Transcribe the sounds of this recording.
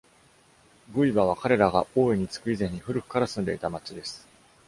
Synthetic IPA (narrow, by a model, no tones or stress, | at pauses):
ɡɯ̟ibaβ̞akaɾe̞ɾaɡaʔo̞ːiɲ̟it͡sɨ̥kɯ̟izẽ̞ɲ̟ːiɸɯ̟ɾɯ̟ɸɯ̥kaɾasɨ̃nd̪e̞it̪amat͡ɕid̪e̞sɨ̥